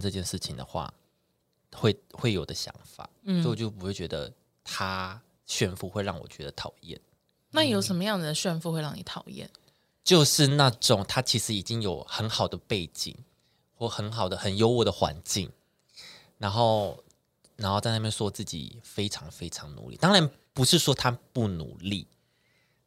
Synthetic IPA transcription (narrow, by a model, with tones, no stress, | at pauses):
ʈ͡ʂɤ˥˧t͡ɕjɛ˥˧nʂɻ̩˥˩t͡ɕʰi˨˩ŋd̪ə̰˩xwa̰˥˩ | xwe˥˩ɪxwe˥˩ɪjo˨˩ʊd̪ə˦ɕjɑ̰˧˥ŋfa̰˨˩˦t͡ɕjo˥˩p̬u˧˥xwe˥˩ɪt͡ɕɥɛ˧˥d̪ə̰˧ | t̪ʰa˥ | ɕɥɛ˥˧nfu˥˧xwe˥˧ɪɻɑ˥˩ŋwɔ̰˨˩t͡ɕɥɛ̰˧˦d̪ə˧t̪ʰɑ˨˩ʊjɛ̰˥˩n | na˥˩jo˧˥ʊʂə˨˩˥mə˧jɑ˥˩ŋd͡z̩˩d̪ə˩ɕɥɛ˥˧nfu˥˧we˥˧ɪɻɑ˥˩ŋni˨˩˦t̪ʰɑ˨˩ʊjɛ̰˥˩n | t͡ɕjo˥˧ʊʂɻ̩˥˧na˥˩ʈ͡ʂʊ˨˩˦ŋt̪ʰa˥t͡ɕʰi˧˥ʂɻ̩˧˥i˨˩t͡ɕi˦ŋjo˨˩ʊxə˧˦nxɑ˨˩ʊd̪ə˩pe˥˩ɪt͡ɕḭ˨˩˦ŋ | xwɔ˥˩xə˧˦nxɑ˨˩ʊd̪ə˦xə˨˩njo˥ʊwɔ˨˩d̪ə˦xwa̰˧˦nt͡ɕi˥˨ŋ | na˧˦˥nxo˥˩ʊ | na˧˥nxo˥˧ʊt͡sa˥˧ɪna˥˩mjnswɔ˥˧t͡sɹ̩˥˩t͡ɕḭ˨˩fe˥ɪʈ͡ʂʰɑ˧˥ŋfe˥ɪʈ͡ʂʰɑ˧˦ŋnṵ˧˦lḭ˨˩t̪ɑ˥ŋɻa˧˥n | pu˧˥ʂɻ̩˥˩ʂwɔ˥t̪ʰa˥pu˥˩nṵ˨˧˦lḭ˥˩